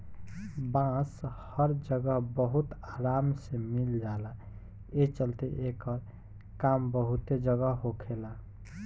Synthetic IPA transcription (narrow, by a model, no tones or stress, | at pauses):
bãshəɾd͡ʒəɡəɦbəɦut̪aɾamsemild͡ʒala | et͡ʃəlt̪eʔekəɾ | kambəɦut̪ed͡ʒəɡəɦɦokʰela